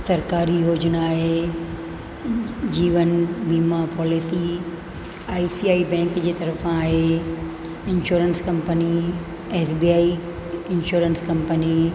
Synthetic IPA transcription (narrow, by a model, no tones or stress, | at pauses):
sɐɾkaːɾijoːd͡ʑnaːɦe | d͡ʑiːʋənbiːmapɔːlɪsi | aːisiːaːibɛ̃ːŋkd͡ʑeːt̪ɐɾəfaːɦe | ɪnʃoːɾənskɐ̃mpəni | eːsbiːaːi | ɪnʃoːɾənskɐ̃mpəni